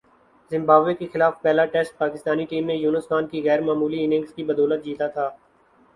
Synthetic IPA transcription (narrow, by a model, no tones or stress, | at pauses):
zɪ̃mbaːbʋekexɪlaːfpɛːlaʈɛsʈ̚paːkɪst̪aːniʈiːmnẽjuːnəsxaːnkiɣɛːɾmaːmuːliɪnɪ̃ŋɡskibɐd̪ɔːlət̪̚d͡ʒiːt̪at̪ʰaː